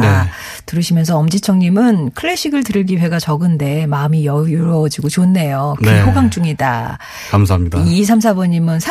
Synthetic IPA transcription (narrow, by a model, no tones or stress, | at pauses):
tɯɾɯɕʰimjʌnsʰʌʌmd͡ʑit͡ɕʰʌŋɲimɯnkʰɯɭːe̞ɕʰiɡɯɭtɯɾɯɭɡiwe̞ɡat͡ɕʌɡɯnde̞maɯmijʌɾʌd͡ʑiɡot͡ɕonːe̞jokeɦʰoɡaŋt͡ɕ͈uŋida̰ | kamsʰaɦamɲidaiis̬ʰamsʰabʌɲimɯnsʰa